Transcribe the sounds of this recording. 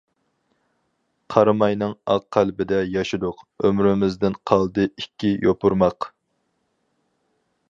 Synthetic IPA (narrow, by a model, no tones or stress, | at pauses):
qʰɑɾmɑjnɨŋɑ̰qqʰːælbɪd̪ɛjɑʃɨd̪ʊqømɾɪmɪzd̪ɪnqʰɑlˠd̪ɨikʲːijʔopʰuɾmɑq